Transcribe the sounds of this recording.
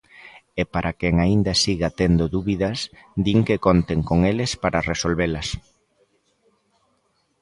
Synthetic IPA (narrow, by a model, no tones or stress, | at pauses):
epaɾʔakeŋaind̪asiɣat̪end̪oðuβiðɐsd̪iŋkekont̪eŋkoŋelespaɾaresolβelɐs